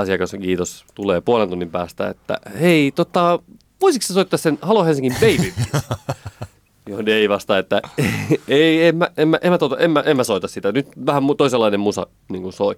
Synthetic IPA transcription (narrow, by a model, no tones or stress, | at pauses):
ɑsiɑkɑskiːt̪ost̪uleːpuolent̪unːimpæːst̪æ̰ḛt̪ːæ̰eit̪ot̪ːɑ | ʋoisiksesoit̪ːɑssenhɑlohensiŋkimbeiiʋʋi | joneiʋɑst̪ɑet̪ːæeeiemːæemːæʔemːæt̪ot̪ɑemːæʔemːæsoit̪ɑssit̪ænyt̪ʋæhæmmut̪oiselːɑinemusɑ̰ | niːŋkunsoi